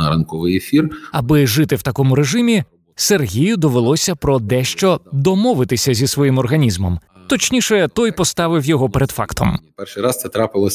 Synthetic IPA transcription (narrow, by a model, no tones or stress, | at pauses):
ɐɾɐnkɔʋɪjefʲirɐbɪʒɪt̪ɪwt̪ɐkɔmʊɾeʒɪmʲi | serɦʲijʊd̪ɔʋelˠɔsʲɐpɾɔd̪ɛʃt͡ʃɔd̪ɔmɔʋɪt̪ɪsʲɐzʲisʋɔjimɔrɦɐnʲizmɔ̰m | t̪ɔt͡ʃnʲiʃɛt̪ɔjpɔst̪ɑʋɪwjɔɦɔpeɾed̪fɑ̰kt̪ʰɔ̰mpɛrʃɪjɾɑst̪sɛt̪ɾɑpɪlˠɔ